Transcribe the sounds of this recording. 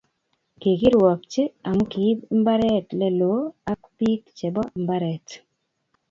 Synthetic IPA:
ke˨ki˦ɾwɔ˨k̚t͡ʃe˦a˨mu˦ki˨˦bmba˦ɾɛ˦tlɛ˦lo˨˦a˦kpi˦kt͡ʃɛ˨bɔ˦˨mba˦ɾɛ˨t

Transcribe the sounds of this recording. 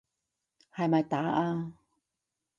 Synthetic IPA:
ha˨˩jma˨˩jt̪aː˨˥˦ʔaː˧

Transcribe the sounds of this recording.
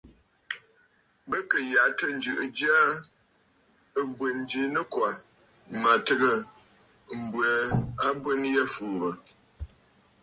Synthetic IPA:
bə˦kə˨ja˨˦tə˦n̩˨˦d͡ʒɨ˨ʔɨ˨d͡ʒa˦ | ə˦bwə˨n˦d͡ʒi˨˦nə˦kwa˨ | ma˨tə˦ɡə˨ | m̩˨bwə˨a˦bwə˦n˦jɛ˦fuː˨ɾə˨

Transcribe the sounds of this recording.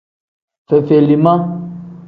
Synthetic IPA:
fe˨fe˨li˨mã˦

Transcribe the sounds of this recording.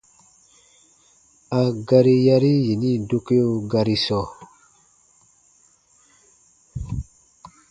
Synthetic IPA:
a˨ɡa˧ɾi˦ja˧ɾi˦je˨ni˦do˦ke˦o˦ɡa˧ɾi˧sɔ˨

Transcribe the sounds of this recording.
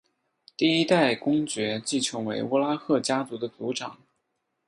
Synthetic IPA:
t̪i˥˩i˥t̪a˥˩ɪkʊ˥ŋt͡ɕɥɛ˧˥t͡ɕi˥˩ʈ͡ʂʰjɤ˧˥ŋwe˧˥ɪu˥la˥xʰɤ˥˩t͡ɕja˥t͡su˧˥d̪ə˧t͡su˧˥ʈ͡ʂɑ˨˩˦ŋ

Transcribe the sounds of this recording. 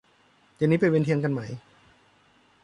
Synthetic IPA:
t̪ɛ˧˨niː˦˥p̬a˧jwe˧nt̪ʰi˧ənka˧nma˦˥j

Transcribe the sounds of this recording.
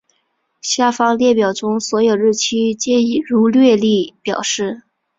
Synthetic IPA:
ɕja˥˩fɑ˥ŋljɛ˥˩pjɑ˨˩ʊʈ͡ʂʊ˥ŋswɔ˧˥jo˨˩ʊɻɻ̩˥˩t͡ɕʰi˥t͡ɕjɛ˥i˨˩ɻu˧˥lɥɛ˥˧li˥˩pjɑ̰˨˩ʊʂɻ̩˥˩

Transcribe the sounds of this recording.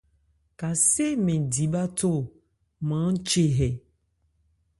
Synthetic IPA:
ka˨se˦mẽ˨di˨ba˦to˦˨ | mã˨˦n̩˦t͡ʃe˦ɦɛ˨

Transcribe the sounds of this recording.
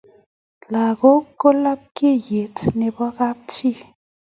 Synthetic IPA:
la˨ɣo˦ko˦la˦p̚ke˦je˨tne˨bɔ˦ɣa˦p̚t͡ʃi˦˨

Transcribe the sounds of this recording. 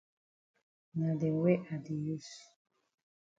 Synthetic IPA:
nã˨dɛ˨wɛ˦ʔa˨di˨ju˦s

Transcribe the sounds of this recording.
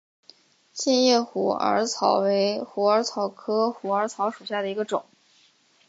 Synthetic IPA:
ɕjɛ˥˧njɛ˥˩xu˨˩ə̰˞˧˥t͡sʰɑ˨˧˩ʊwe˧˥ɪxu˨˥ə˞˧˥t͡sʰɑ˨˩ʊkʰɤ˥xu˨˩ə˞˧˥t͡sʰɑ˧˥ʊʂu˨˩ɕja˥˩d̪ə˩i˧˥ɡə˧ʈ͡ʂʊ̰˨˩˦ŋ

